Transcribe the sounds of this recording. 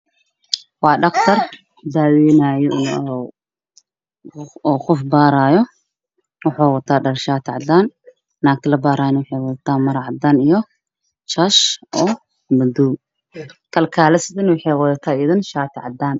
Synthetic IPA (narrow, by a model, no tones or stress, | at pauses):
wɑːɖɐqt̪ʰɐr | d̪aːwɛːnaːjɔɪn | ɔxʊfbaːɾaːjɔ | wɑħɔːwɐt̪ʰaːɖɐrʃaːt̪ʰɪʕɑd̪aːnː | aːk̚t̪ʰɪlɐbaːɾaːjnwʊħɛːwɐðɐt̪ʰaːmɐɾʕɑd̪aːnijɔ | t͡ʃaʃʔɔː | mɐd̪uː | kʰɐlkʰaːlɐsɪðɪnwʊħɛːwɐðɐt̪ʰaːɪðɪnʃaːt̪ʰɪʕɑd̪aːn